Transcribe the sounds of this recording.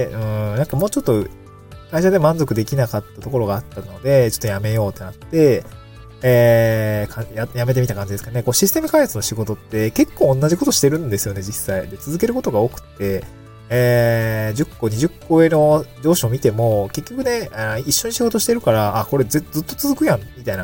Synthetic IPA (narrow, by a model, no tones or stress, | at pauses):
ɯ̟̃nãŋkamo̞ːt͡ɕo̞t̪ːo̞ | kaiɕad̪emãnzo̞kɯ̟d̪e̞kʲinakat̪ːat̪o̞ko̞ɾo̞ɡaːt̪ːano̞d̪e̞t͡ɕo̞̥t̪ːo̞jame̞jo̞ːt̪ːe̞nat̪ːe̞ | eːkʰãjajamet̪e̞mit̪akãɲ̟d͡ʑid̪e̞sɨ̥kaneko̞ɕisɨ̥t̪e̞mɯ̟kãjat͡sɨno̞ɕiɡo̞t̪o̞t̪ːe̞ke̞kːõ̞ːnːaʑiko̞t̪o̞ɕi̥t̪e̞ɾɯ̟̃nd̪e̞sɨjo̞ne̞d͡ʑisːaid̪e̞t͡sɨzɨke̞ɾɯ̟ko̞t̪o̞ɡaokɯ̟̥t̪ːe̞ | d͡ʑɨkːo̞ɲ̟iʑɨkːo̞e̞no̞d͡ʑo̞ːɕio̞mʲit̪e̞mo̞ke̞kʲːo̞kɯ̟ne̞aiɕːo̞ɲ̟iɕiɡo̞t̪o̞ɕi̥t̪eɾɯ̟kaɾaʔːko̞ɾe̞zed͡zzɨt̪ːo̞t͡sɨzɨkɯ̟jãmmʲit̪aina